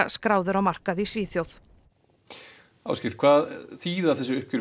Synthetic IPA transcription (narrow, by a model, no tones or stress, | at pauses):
skɾaːwðʏɾawmar̥kaðisviːθjowθ | a̰wscɪɾkʰvaːðθiːðawθɛs̬ːʏʏhcʏɾ